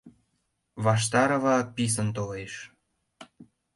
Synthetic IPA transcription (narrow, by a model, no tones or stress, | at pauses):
βɑʃ̬t̪ɑɾɤ̆βɑpis̬ənt̪oleʃ